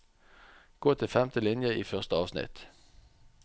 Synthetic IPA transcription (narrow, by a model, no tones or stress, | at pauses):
ɡ̥oːt̪ʰɪfɛmt̪əlɪnjəiːfœʁst̪əɑːʋsnɪ̰t̪